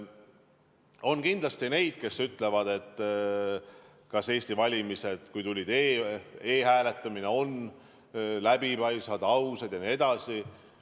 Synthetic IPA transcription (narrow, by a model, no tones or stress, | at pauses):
o̞nkind̪lɑst̪ine̞jd̪̥̚ke̞sːyt̪ːˑle̞vɑd̪̥e̞t̪ː | kɑse̞ːsʲt̪ivɑlʲimise̞d̪̥kujt̪ulʲid̪̥eːeːhæːle̞t̪ːˑɑmine̞o̞n | læbipɑjsɑd̪̥ɑwsed̪̥jɑnie̞d̪̥ɑsi